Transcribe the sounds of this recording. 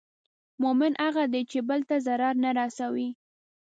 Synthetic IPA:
mʊmɪnʔaɣad̪et͡ʃebəlt̪azaɾɑɾnaɾɑsawi

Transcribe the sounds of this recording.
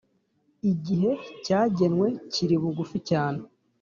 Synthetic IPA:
iɟiɦe̞caːɟe̞nwe̞ciɾiβuɡuficaːne

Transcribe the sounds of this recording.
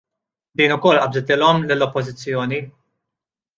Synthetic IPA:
d̪iːnʊkɔlːʔɐbzɪt̪ɪːlɔmlɪlːɔpːɔzɪt͡sːjɔːni

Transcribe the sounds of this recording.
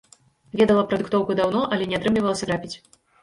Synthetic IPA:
vʲɛd̪ɐlˠɐpɾɐd̪ɨkt̪ɔwkud̪awnɔʔɐlʲɛnʲɛat̪ɾɨmlʲivɐlˠɐsʲɐɾapʲit͡sʲ

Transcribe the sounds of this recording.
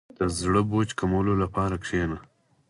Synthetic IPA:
d̪̥əzɽəboːt͡ʃkamawlolapɑːɾakʂeːna

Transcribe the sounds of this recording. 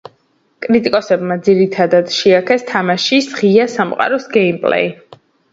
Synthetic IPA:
kʼɾit̪ʼikʼɔsɛbmad̪ziɾit̪ʰad̪ad̪̥ʃiakʰɛst̪ʰamaʃisʁiasamqʼa̰ɾɔsɡɛimpʼlɛ̰i

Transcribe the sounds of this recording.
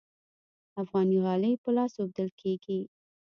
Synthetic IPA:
afɣɑniɣɑləjpəlɑsob̚d̪əlkʰeɡi

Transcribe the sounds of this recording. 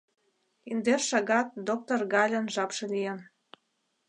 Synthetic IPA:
ind̪erʃɑɣɑt̪̚d̪ok̚t̪orɣɑlʲə̆nʒɑpʃĕlʲijen

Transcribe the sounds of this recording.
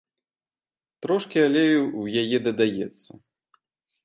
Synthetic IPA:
t̪ɾɔʂkʲialʲɛwjajɛd̪ɐd̪ajɛ̰t̪sːɐ

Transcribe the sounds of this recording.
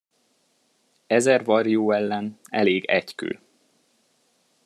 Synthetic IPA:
ɛzɛrvɒrjoːɛlːɛnɛ̰leːɡɛcky̰l

